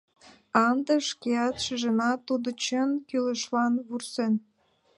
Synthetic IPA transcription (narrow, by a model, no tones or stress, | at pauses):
ɑnd̪ə̆ʃkeɑt̪ʃə̆ʒə̆nɑt̪ːud̪ŏt͡ɕənkylə̆ʃlɑnβursen